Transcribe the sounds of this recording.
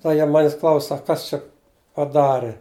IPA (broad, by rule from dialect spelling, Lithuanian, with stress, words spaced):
tɐɪ ˈjiɛ ˈmɑːnʲɪs ˈklˠɐʊs ˈsɐk ˈkɐs t͡ʃʲɛ pɐˈdɑːrʲɪ